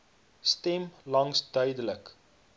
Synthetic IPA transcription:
stɛmlɐŋsdœɥdələk

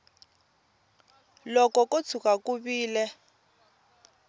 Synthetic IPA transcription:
lɔkɔkot͡sʰukakuβiːlɛ

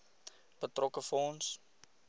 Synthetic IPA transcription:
pətrɔkəfɔns

